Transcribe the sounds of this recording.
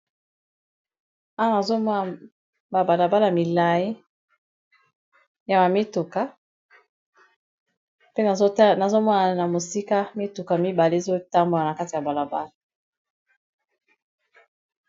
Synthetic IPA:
a˦wa˦na˨zo˦mɔ˦na˨ | ba˨ba˨la˨ba˦la˨mi˨la˨je˦ | ja˨ma˨me˦tu˨ka˨˦ | pe˦na˨zo˦na˨zo˦mɔ˦na˨na˨mo˨si˦ka˦me˦tu˨ka˨mi˦ba˨le˦e˦zo˦ta˦mbo˨la˨na˨ka˦ti˨ja˨ba˨la˨ba˦la˨

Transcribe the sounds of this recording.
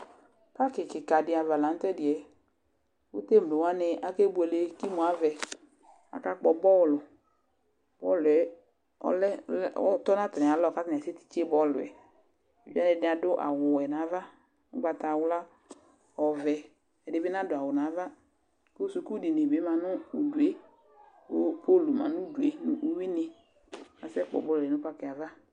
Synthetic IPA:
ka˦kɪ˨kɪ˨ka˨dɪ˨a˨va˨la˨˦n̩˦t̪ɛ˦dɪ˨ɛ˨ | wʊ˦te˦m˨lʊ˨wa˦nɪ˨ʔa˨ke˦bu˦ɛ˨le˨kɪ˦mʊ˨a˨vɛ˨ | a̰˨ka˦k͡pɔ˨bɔ˦˨lʊ˨ | b̥ɔ˦˨lʊ˨ɛ˦ | ɔ̰˦lɛ˦˨ɔ˦t̪ɔ˦nã˦t̪ɪ̃˨a˨˦lɔ˦˨ka˦tn˨se˦t̪i̥˨t͡ʃbɔ˦˨lʊ˨ɛ̰˨ | i˨d͡ʒa˦nɪ̃˨dɪ˦a˨dʊ˦ʔa̰˨wʊ˨ɛ˨nã˨˦va˦ | ʊ˦ɡ͡ba˨ta˨wʊ˦la˦ | ɔ˨vɛ˨ | ɛ˨dɪ˨˦bɪ˦nã˦dʊ˨a˨wʊ˨nã˨˦va˦ | ko˦su˨ku˦di˨ne˨be˨˦mã˨nʊ˦ʊ˨du˨e˦ | ʊ˦pʰo˦˨lu˨mã̰˨nʊ̃˦du˨e˨nʊ̰˦ʔu˦wi˦nɪ˨ | a̰˨sɛ˦k͡pɔ̰˨bɔ˦lɛ˨nʊ̃˦pa˦kɪ˨a˨va˦

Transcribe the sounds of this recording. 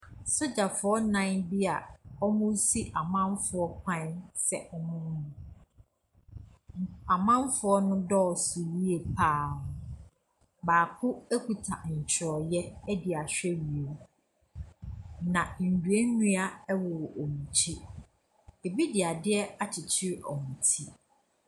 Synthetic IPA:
so˦d͡ʑa˨fʊ˨˦ɔ˦nã˦nbi˦a˨ɔ˦mʊ̃˦si˦ʔa˨mã˦m˦fʊ˨ɔ˦k̚ʷʰã˦nsɛ̰˦˨ʔɔ˦mʊ̃˦mũ˨ | a˨mã˦mfʊ˦ɔ˦nʊ̃˦dɔ˦ɔ˨su˨ɾi˦e˨pʰaː˦˨nʊ̃˨ | baː˨kʰʊ˦æ˦kʰu˨tʰa̰˨ɲ̩˨t͡ɕʰɪ˨ɾɔ˨jɛ˦ɛ˦dɪ˨a˨ɕᶣɛ˦ɥi˨o˨ | nã˨n̩˨dɥe˦nũ˦a˨ɛ˦wɔ˨o˨mũ˨t͡ɕʰi˦ | e˨bi˦dɪ˨a˨dɪ˦ɛ˦a˨t͡ɕʰɪ˨t͡ɕʰɪ˦ɾɔ˨mũ˨tʰi˦

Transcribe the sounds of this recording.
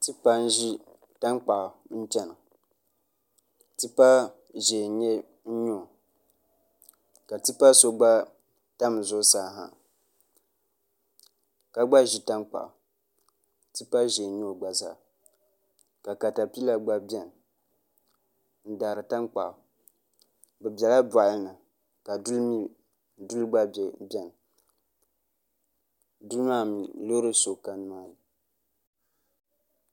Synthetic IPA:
ti˦pa˦n̩˦ʒi˦ | ta˦ŋk͡pa˨ʔn̩˦t͡ʃɛ˦nɨ˨ | ti˦pa˦ | ʒe˨˦ɲɛ˦ | n̩˦ɲo˨ | ka˨ti˦pa˦so˦ɡ͡ba˦ | ta˦m˨zʊ˦saː˦˨ɦa̰˨ | ka˨ɡ͡ba˦ʒi˦ta˦ŋk͡pa̰˨ | ti˦pa˦ʒe˨˦ɲo˦˨ɡ͡ba˨za̰ː˦˨ | ka˨ka˨ta˨pi˦la˦ɡ͡ba˦bɛ˨n˨ | n̩˦da˨ɾɨ˨ta˦ŋk͡pa̰˨ʔ | bɛ˨bɛ˨la˦ba˨lɨ˦nɨ˨ | ka˨di˦ | du˦lɡ͡ba˦bɛ˨bɛ˦˨n˨ | du˦lma˦mi˨lo˦ɾɨ˦so˨ka˨n˦aː˦ji˨

